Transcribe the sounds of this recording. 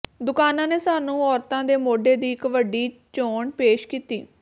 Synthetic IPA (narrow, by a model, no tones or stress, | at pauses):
d̪ʊkaːnãːneːsaːnũːɔːɾt̪ãːd̪eːmoːɖeːd̪iːɪkʋəɖiːt͡ʃoːɳpeːʃkiːt̪iː